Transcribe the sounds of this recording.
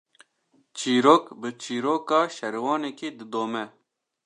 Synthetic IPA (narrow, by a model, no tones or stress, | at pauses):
t͡ʃʰiːɾoːkbɨt͡ʃʰiːɾoːkɑːʃɛɾwɑːneːkeːd̪ɨd̪oːmɛ